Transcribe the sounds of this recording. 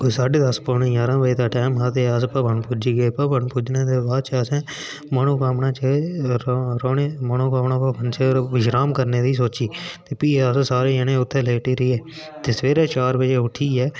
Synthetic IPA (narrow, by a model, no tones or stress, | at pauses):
osaːɖed̪əspoːnẽːjãːɾãːbəiːt̪aːʈɛːmɦaːt̪eːəspaːbʱəɳpʊd͡ʒiːɡeːpaːbəɳpʊd͡ʒneːd̪eːbaːd̪̚t͡ʃasɛ̃ː | manõːkaːmnãːt͡ʃe | ɾoːneːmənõːkaːmnãːpaːbʱənt͡ʃʰeʋɪʃɾaːmkəɾneːd̪iːs̬oːt͡ʃiːt̪eːpiːəssaːɾeːənẽːʊt̪ʰːɛːleːʈiːɾiːɛː | t̪eːsʋeːɾeːt͡ʃaːɾbəd͡ʒeːʊʈʰiːɛː